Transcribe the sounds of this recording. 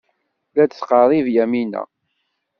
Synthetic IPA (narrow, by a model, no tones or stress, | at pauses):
læsqɑðˤivjæminæ̰